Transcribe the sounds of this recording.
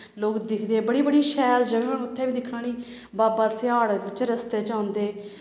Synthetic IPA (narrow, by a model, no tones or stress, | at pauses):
loːkd̪ɪkʰd̪eːbəɽiːbəɽiːʃɛːld͡ʒəɡəɳʊt̪ʰːɛːʋiːd̪ɪkʰːaːɽ̃iː | baːbaːsɪaːɽt͡ʃɾəst̪eːt͡ʃãːʊnd̪eː